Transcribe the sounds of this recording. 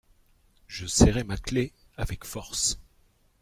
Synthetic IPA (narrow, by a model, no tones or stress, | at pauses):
ʒ̥əsɛʁɛmakle | avɛkfɔʁs